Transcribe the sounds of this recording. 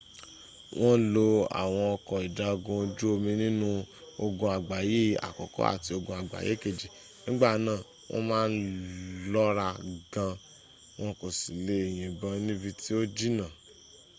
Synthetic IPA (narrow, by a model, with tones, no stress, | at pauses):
w̃ɔ̃˦lo˧a̰˨w̃ɔ̃˧ɔ˧kɔ̃˧i˨da˨˧o˧ɡũ˧d͡ʒu˦o˧mĩ˧nĩ˦nũ˦o˧ɡũ˧a˨ɡ͡ba˨je˦a̰˨kɔ˨kɔ̰˦a̰˦˨ti˧o˧ɡũ˧a˨ɡ͡ba̰˨jḛ˨˦˨ke˨d͡ʒi˨ | nĩ˦ɡ͡ba˦˨nãː˦˨ | w̃ʔɔ̰̃˦mãː˦n̩˦lɔ˦ɾa˧ɡã˧ | w̃ɔ̃˦ko˨si˨le˦e˨j̃ĩ˨bã˧nĩ˦bi˧tʰi˦o˦d͡ʒi˦nã˦˨